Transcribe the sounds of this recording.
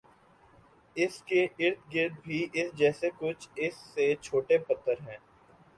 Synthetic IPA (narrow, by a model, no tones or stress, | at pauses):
ɪskeɪɾt̪̚ʰɡɪɾd̪̚bʱiʔɪsd͡ʒɛːsekʊt͡ʃʰɪsːet͡ʃʰoːʈepɐt̪ʰːəɾɦɛ̃ː